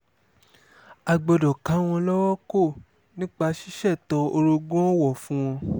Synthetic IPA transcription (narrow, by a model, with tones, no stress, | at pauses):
a˧ɡ͡bɔ˧dɔ˨kã˨˦w̃ɔ̃˧lɔ˦wɔ˦ko˦˨ | nĩ˦k͡pa˧ʃi˦ʃɛ˦˨tɔ˧o˧ɾo˧ɡɔ̃˦wɔ˦˨fũ˦w̃ɔ̃˧